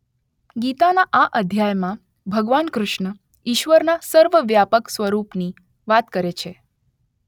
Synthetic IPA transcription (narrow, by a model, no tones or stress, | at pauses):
ɡit̪anaʔaʔəd̪ʱjajmã | bʱəɡʋankɾʊʃɳə | iʃʋəɾnasəɾʋəʋjapəksʋəɾupni | ʋat̪kəɾet͡ʃʰe